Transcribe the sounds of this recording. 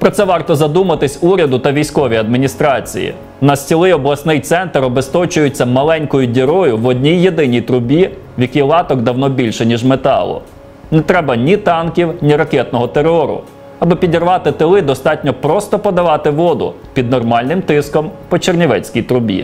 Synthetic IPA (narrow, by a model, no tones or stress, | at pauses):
pɾɔt̪sɛʋɑrt̪ɔzɐd̪umɐt̪ɪsʲuɾʲɐd̪ʊt̪ɐʋʲijsʲkɔʋʲijɐd̪̚mʲinʲist̪ɾɑt͡sʲḭjḭ | nɐsʲt͡sʲilˠɪjɔblˠɐsnɪjt̪sɛnt̪ɾɔbest̪ɔt͡ʃʊjʊt͡sʲːɐmɐlˠɛnʲkɔjʊdʲiɾɔjʊʋɔdʲnʲijːed̪ɪnʲijt̪ɾʊbʲi | wjɐkʲijlˠɑt̪ɔkd̪ɐwnɔbʲilʲʃɛnʲiʒmet̪ɑ̰lˠʊ̰ | nɛt̪ɾɛbɐnʲit̪ɑnkʲiwnʲiɾɐkʲɛt̪̚nɔɦɔt̪eɾɔɾʊ̰ | ɐbɪpʲidʲirʋɑt̪ɪt̪ɪlˠɪd̪ɔst̪ɑtʲnʲɔpɾɔst̪ɔpɔd̪ɐʋɑt̪ɪʋɔd̪ʊ̰ | pʲid̪nɔrmɑlʲnɪmt̪ɪskɔmpɔt͡ʃernʲiʋɛt͡sʲkʲijt̪ɾʊbʲḭ